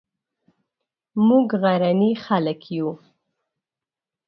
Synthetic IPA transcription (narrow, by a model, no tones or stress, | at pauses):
muɡɣaɾanixaləkʰju